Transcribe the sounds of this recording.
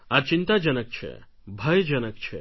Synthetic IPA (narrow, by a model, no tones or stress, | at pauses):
aɾt͡ʃint̪ad͡ʒənək̚t͡ʃʰɛ̰ | bʱəjd͡ʒənək̚t͡ʃʰɛ̰